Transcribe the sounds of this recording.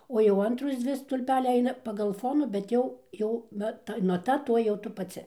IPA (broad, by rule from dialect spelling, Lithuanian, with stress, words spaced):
ˈoː jɛʊ ˈɐntroːs ˈd͡zʲʋʲɪ stʊlʲˈpʲæːlʲɛɪ ˈɐɪnɐ pɐɡɐlˠ ˈfoːnuː bʲɛt ˈjɛʊ ˈjɛʊ ˈʋɐ ˈtɐ nɐˈtɐ ˈtoːj jɛʊ ˈtʊ pɐˈt͡sʲɪ